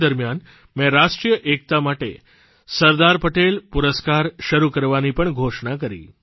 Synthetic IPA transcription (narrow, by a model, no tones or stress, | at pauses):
d̪əɾmjan | mɛ̃ɾaʃʈɾijəʔek̚t̪amaʈe | səɾd̪aɾpəʈelpuɾəskaɾʃəɾukəɾʋanipəɳɡʱoʃɳak̬əɾḭ